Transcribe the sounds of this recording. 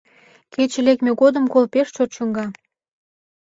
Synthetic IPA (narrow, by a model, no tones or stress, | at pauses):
ket͡ɕĕlekmʲeɣod̪ə̆mkolpeʃt͡ɕot̪t͡ɕuŋɡɑ